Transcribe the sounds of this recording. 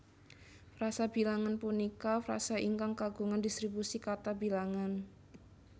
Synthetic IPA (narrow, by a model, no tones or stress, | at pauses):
fɾasabilaŋanpunikafɾa̰saʔiŋkaŋkaɡṳŋandist̪ɾibusikat̪abilaŋan